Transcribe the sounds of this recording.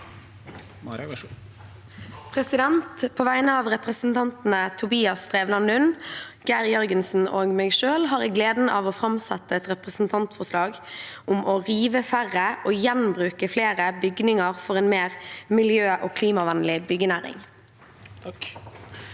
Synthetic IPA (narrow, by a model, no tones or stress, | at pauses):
pʰɾɛsɪd̪ɛnt̪pʰoːʋæɪnəɑːʋʁɛpʁəsn̩t̪ʰɑnt̪n̩ət̪ʰʊbiːɑst̪ʁeːʋlɑnʉnɡ̥æʁjœʁɡənsn̩oːɡmɛːɡʃøːlɦɑːʁɛɡleːd̪n̩ʔɑ̰ːʋɔfɾɑmsɛt̪ːəɛt̪ʁɛpʁəsn̩t̪ʰɑnt̪fɔʁslɑːɡʔʊmɔʁiːʋəfæʁːəʔoːjɛnmbʁʉːkəfleːʁəbʏɡnɪŋəʁfɔʁɛːnmeːʁmɪljøːʔoːkʰliːmɑʋænlɪbʏɡənæːɾɪ̰ŋ